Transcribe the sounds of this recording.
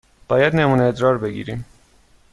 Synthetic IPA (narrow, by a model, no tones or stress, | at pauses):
pɑjad̪nɛmunɛd̪ɾɑɾbɛɡḭɾi